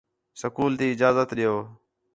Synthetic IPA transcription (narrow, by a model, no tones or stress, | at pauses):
səkuːlt̪iːɪd͡ʒaːzət̪ɗɪjoː